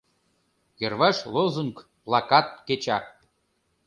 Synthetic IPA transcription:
jervɑʃlozuŋk | plˠɑkɑt̪̚ket͡ɕɑ

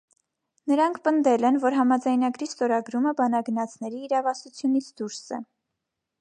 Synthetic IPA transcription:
nəɾɑŋkʰpənd̪ɛlɛnvɔɾɦɑmɑd͡zɑjnɑɡɾist̪ɔɾɑɡɾuməbɑnɑɡənɑt͡sʰnɛɾiːɾɑvɑsut͡sʰjunit͡sʰd̪uɾsɛ̰

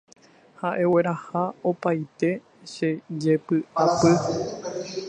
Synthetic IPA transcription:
haʔe̞we̞ɾahaopajt̪e̞ | ʃed͡ʒe̞pɨʔapɨ

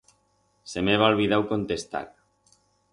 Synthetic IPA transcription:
semeβ̞aolβiðawkont̪est̪a̰k̚

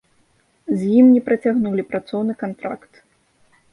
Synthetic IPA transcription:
zʲjimnʲɛpɾɐt͡sʲaɣnulʲipɾat̪sɔwnɨkant̪ɾa̰kt̪

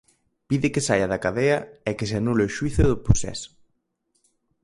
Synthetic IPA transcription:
piðɪkɪsajɐðɐkaðeɐɛkɪs̬eanuleʊʃwiθʊðʊposɛ̰sʊ̥

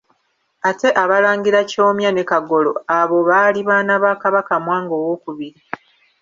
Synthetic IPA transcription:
ate̞ʔaβalaːŋɡiɾaco̞ːmjane̞kaɡo̞lo̞̰aβo̞βaːliβaːnaβaːkaβakamwaːŋɡo̞ːwo̞kuβiɾi

